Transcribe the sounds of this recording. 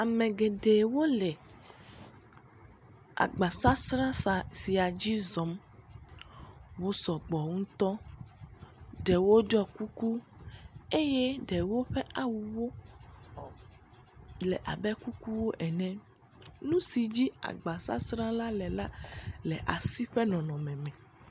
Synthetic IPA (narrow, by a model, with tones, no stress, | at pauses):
a˨mɛ̃˨ɡe˨ɖe˨wo˦lɛ˨ | a̰˨ɡ͡ba˨sa˦sɾã˦˨si˨a˨d͡ʑi˦zɔ˨m | wo˦sɔ˨ɡ͡bɔ˨ŋũ˦t̪ɔ˦ | ɖe˨wo˦ɖɔ˦ku˦ku˦ | e˦je˦ɖɛ˨wo˦ɸɛ˦ʔa˨wu˨wo˦ | lɛ˨ʔa˨bɛ˦ku˦ku˦wo˦ʔɛ˨nɛ̃˦ | nũ˦si˨d͡ʑi˦a̰˨ɡ͡ba˨sa̰˦sɾã˦la˦lɛ˨la˦lɛ˨ʔa˨si˦ɸɛ˦nɔ̃˨nɔ̃˨mɛ̃˨mɛ̃˨